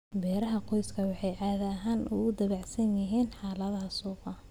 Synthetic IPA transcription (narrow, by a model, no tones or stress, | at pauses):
bɛːɾɐɦɐqɔjskʰɐwɑħɑjʕaːðɐːɦaːnʔʊ̰ɣʊd̪ɐβɑʕsɐnjɪɦiːnħɑːlɐðhɐsuːqɑ